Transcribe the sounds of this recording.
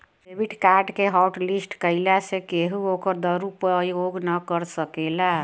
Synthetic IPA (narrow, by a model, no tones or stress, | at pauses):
pebiʈkaɾɖkeɦɔʊʈlisʈkəɪlasekeɦuokəɾd̪əɾupəjoɡnəkəɾsəkela